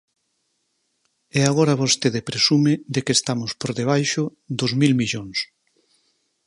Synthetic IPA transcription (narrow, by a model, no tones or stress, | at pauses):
ɛaɣ̞oɾaβost̪eðepɾesumɪd̪ekest̪amʊspoɾðeβ̞ajʃʊd̪ozmilmiʎoŋs